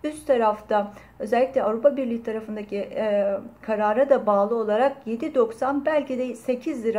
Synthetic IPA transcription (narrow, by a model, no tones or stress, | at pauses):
yst̪t̪ʰaɾaft̪ʰa | ø̞zɛlʲːicʲlʲɛavɾupabiɾlʲiːt̪ʰaɾafɯnd̪acʰi | kʰaɾaːɾad̪abaːlˠɯo̞lˠaɾakje̞d̪id̪o̞ksanbælʲcid̪ɛse̞cʰizlʲiɾa